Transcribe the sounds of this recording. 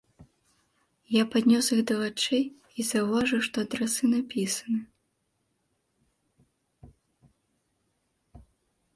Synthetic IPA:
japad̪ʲnʲɔsiɣd̪ɐvat͡ʂɛj | izɐwvaʐɨwʂt̪ɔɐd̪ɾasɨnapʲisɐ̥nɨ

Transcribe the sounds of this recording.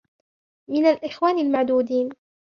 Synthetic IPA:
mɪnalʔɪxwaːnɪlmaʕd̪uːd̪iːn

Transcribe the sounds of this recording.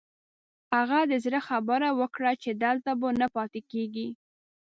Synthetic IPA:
haɣad̪əzɾəxabəɾawəkɽat͡ʃed̪əlt̪abənapɑt̪ekeɡi

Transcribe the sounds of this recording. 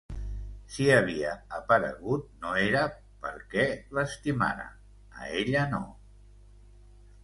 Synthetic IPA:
siəβ̞iəəpəɾə̰ɣut̪̚noeɾə | pəɾkɛləst̪ima̰ɾə̰ | ə̰eʎəno̰

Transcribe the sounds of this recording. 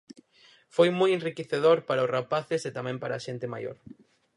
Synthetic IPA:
fojmojẽnrikeθeð̞oɾpaɾaosrapaθeset̪amɛ̃mpaɾaːʃent̪ɪma̰jo̰ɾ

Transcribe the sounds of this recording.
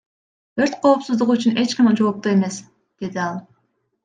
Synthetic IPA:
øɾt̪qʰo̞ːpsuzd̪uʁuyt͡ʃyne̞t͡ʃqɑmd͡ʒo̞ːp̚t̪ue̞me̞s | d̪̥e̞d̪iɑlˠ

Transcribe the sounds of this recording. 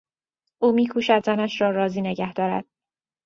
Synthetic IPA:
ʔuːmiːkʰuːʃæd̪zænæʃɾɒːɾɒːziːne̞ɟæhd̪̥ɒːɾæ̰d̪̥̚

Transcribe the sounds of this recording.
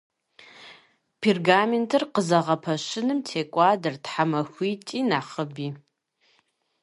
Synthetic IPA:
pʰirɡaːmentʰɨrqəzɐʁɐpʰɐɕɪnɨmtʰeːkʷʼɑːdɨrtħamɐxʷiːtʼiːnaːχəbiː

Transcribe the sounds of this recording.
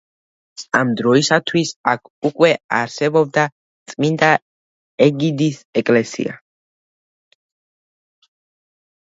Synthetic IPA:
amd̪ɾɔisat̪ʰwisakʰukʼwɛaɾsɛbɔb̚d̪a | t̪sʼmind̪a | ɛɡid̪isɛkʼlɛsḭa̰

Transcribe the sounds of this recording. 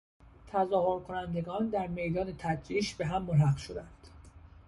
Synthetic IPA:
t̪ʰæzɒːhoɾkʰonænd̪e̞ɡɒːnd̪æɾme̞jd̪ɒːne̞t̪ʰæd̪ɾiːʃbeɦæmːolɦæqʃod̪ænd̪̥

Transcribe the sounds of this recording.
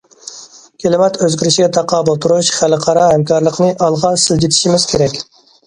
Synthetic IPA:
kʲʰelɪmɛt̪øzɡʲyɾiʃiɡʲɛt̪ʰɑqʰɑːbolˠt̪ʰuɾuʃχælqʰɑɾɑhɛmkʰɑɾlˠəqnɨʔɑlˠʁɑnsɪld͡ʒʲit̪ʰi̥ʃimɪzkʲʰeɾɛkʲ

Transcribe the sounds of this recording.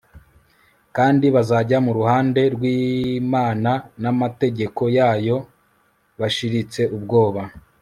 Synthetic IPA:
kaːndiβazaɟamuɾuhaːnde̞ɾɡwiːmaːnanamate̞ɟe̞ko̞jaːjo̞ | βaʃiɾit͡se̞ʔubɡo̞ːβa

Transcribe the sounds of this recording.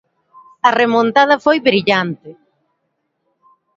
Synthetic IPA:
ɐremõnt̪að̞ɐfojβɾiʎant̪ɪ

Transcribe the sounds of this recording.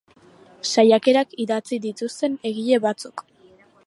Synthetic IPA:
sajake̞ɾakiðat͡siðit̪ust̪e̞ne̞ɣie̞βat͡suk

